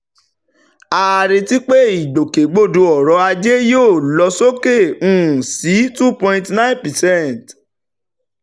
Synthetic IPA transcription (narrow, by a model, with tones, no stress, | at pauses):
a˧a˧˨ɾe˧ti˦k͡pe˦i˨do˨ke˨˦ɡ͡bo˦˨du˧˦ɔ˨ɾɔ˨˧˦a˧d͡ʒe˦joː˦˨lɔ˧˦so˦ke˦˨ũ˦˨si˨˦tu˦pɔ̃˧ĩ˧tnã˦ĩ˦npɛ˨sɛ̃˦t